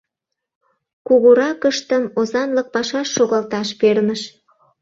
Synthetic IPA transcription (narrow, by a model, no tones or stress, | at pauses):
kuɣuɾɑkəʃt̪əmozɑnlək̚pɑʃɑʃːoɣɑlt̪ɑʃperməʃ